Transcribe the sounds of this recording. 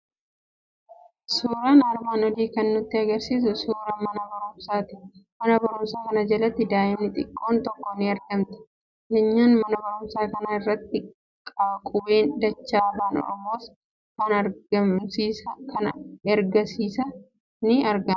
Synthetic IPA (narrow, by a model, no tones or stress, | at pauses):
suːɾaːnɐɾmaːnɔd̪iːkɐnːʊt̪ːɪɐɡɐɾsiːs̬ʊsuːɾɐmɐnɐbɐɾʊmsaːt̪ɪ̥mɐnɐbɐɾʊmsaːkɐnɐd͡ʒɐlɐt̪ːɪd̪aːʔɪmnɪt̪ʼɪkʼːo̞ːnt̪ɔkːɔnɪɐɾɡɐmt̪ɪ̥ | kɛɲːaːnmɐnɐbɐɾʊmsaːkɐnaɪrːɐt̪ːɪ | kʼɐbɐkʼʊbeːnd̪ɐt͡ʃːaːrːaːnɔ̰ɐ̰mːoːs | kɐnɐɾɡɐmsiːsɐkɐnɛɾɡɐsiːsɐ | nɪɐɾɡɐ